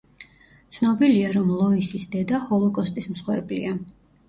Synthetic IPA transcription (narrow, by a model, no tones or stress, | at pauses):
t̪sʰnɔbiliaɾɔmlˠɔisisd̪ɛd̪ahɔlˠɔkʼɔst̪ʼismsχwɛɾblḭa